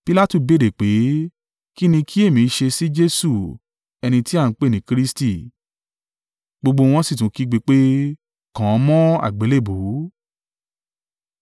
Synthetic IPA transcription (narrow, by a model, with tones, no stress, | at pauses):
pi˧la˦tu˦˨be˨˦˨de˨k͡pe˨˦ | ki˦nĩ˧kʰi˦e˦˨mĩ˨˦ʃe˧si˦d͡ʒe˦su˦˨ | ɛ˧nĩ˧ti˦a˦˨n̩˦k͡pe˦˨nĩ˨˦kɾi˦sti˦˨ | ɡ͡bo˧ɡ͡bo˧w̃ɔ̃˧si˦˨t̬ũ˨˦ki˦ɡ͡be˧k͡pe˦ | kã˨˧˦mɔ̃˦a̰˨ɡ͡be˨˦le˦˨bo˨˦